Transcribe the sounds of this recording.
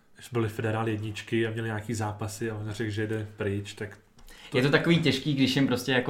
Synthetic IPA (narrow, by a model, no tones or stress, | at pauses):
ʃbɪlɪfɛdɛɾaːlɪjɛdɲɪt͡ʃkɪamɲɛlɪɲaːkiːzaːpasɪaonrɛkʒɛjɛdɛpɾɪt͡ʃt̪ak̪ | ɛt̪ot̪akoviːcɛʃkiːɡdɪʃjɛmpɾoscɛjako